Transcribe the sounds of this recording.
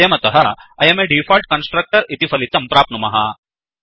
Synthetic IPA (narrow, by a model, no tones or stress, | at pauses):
jɐmɐt̪ɐɦɐɐjɐmeɖifɔlʈ̚kɐnsʈɾɐk̚ʈəɾit̪ifɐlit̪ɐmpɾaːp̚numɐɦa